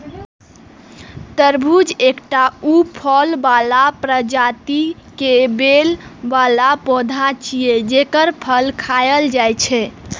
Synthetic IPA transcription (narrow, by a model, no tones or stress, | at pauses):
t̪əɾbʱud͡ʒekʈaupʰəlbalapɾəd͡ʒat̪i | kebelbalapɔ̃d̪ʱat͡ʃijed͡ʒekəɾpʰəlkʰajəld͡ʒajt͡ʃʰɛ